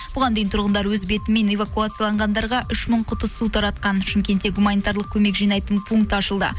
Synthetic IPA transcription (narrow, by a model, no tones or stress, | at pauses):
b̥ʊʁɑnd̪ejɪnt̪ʰʊɾʁənd̪ɑɾwɵzbe̞t̪ɪme̞ne̞vakuat̪sɨjalˠɑɴʁɑnd̪ɑɾʁɑʔʏʃməɴqʰʊt̪əsut̪ʰɑɾɑt̪̚qɑnʃɪmkʲe̞nt̪e̞ɡumanijt̪aɾlˠəq̚kʲʰɵme̞kʒijnɑjt̪ənpʰuŋk̚t̪ɑʃəlˠd̪ə̰